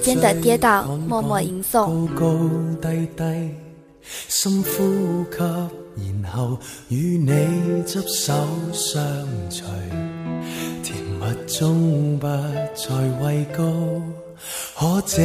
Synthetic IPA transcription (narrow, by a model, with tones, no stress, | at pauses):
pɛ˥nt̪ə˨˩t̪jɛː˨˥t̪aː˨˧˩wŋmɔ˧mɔ˧ʔi˧˥ŋsʊ˥ŋ˧wko˧˥wt̪ɐ˥jt̪ɐ˥j | sɐ˥mfuː˥kʰɐ˧p̚jiː˨˩nhɐ˨w | jyː˨˧ne˨˧jt͡sɐ˥p̚sɐ˨˥wsœː˨˧ŋt͡ʃʰɵ˨˩ɥ | t̪ʰiː˨˩nmɐ˨t̚t͡sʊ˥ŋpaː˧t͡sʰɔː˨jwɐ˧jko˥w | hɔː˨˥t͡sɛ˨˧